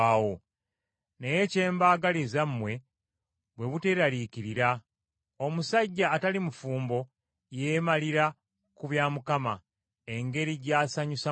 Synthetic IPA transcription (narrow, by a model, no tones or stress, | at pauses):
awo | ne̞je̞ce̞ːmbaːɡalizamːwe̞ | βwe̞βute̞ɾaliciɾiɾa | omusaɟːaːtalimufuːmbo̞ | jemaliɾa | kuβjaːmukama | e̞ŋɡe̞ɾiɟaːsaɲusa